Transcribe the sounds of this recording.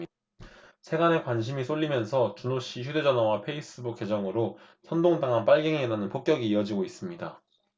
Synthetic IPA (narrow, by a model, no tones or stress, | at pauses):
sʰe̞ɡane̞kwanɕ̬ʰimis͈oɭːimjʌnsʰʌt͡ɕunoɕ͈içjude̞d͡ʑʌnawapʰe̞is͈ɯbuk͈ːe̞d͡ʑʌŋɯɾo | sʰʌndoŋdaŋɦanp͈aɭɡeŋedanɯnpok͈jʌɡiːʌd͡ʑiɡois͈ɯmɲida